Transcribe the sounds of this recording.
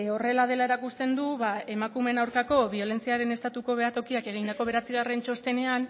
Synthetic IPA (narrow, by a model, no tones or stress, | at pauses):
o̞re̞lað̞e̞lae̞ɾakust̪e̞nd̪uβae̞makume̞nawɾkako̞βio̞le̞nt͡siaɾe̞ne̞st̪at̪uko̞βe̞at̪o̞kiake̞ɣ̞ind̪ako̞β̞e̞ɾat͡siɣ̞arent͡ʃo̞st̪e̞ne̞an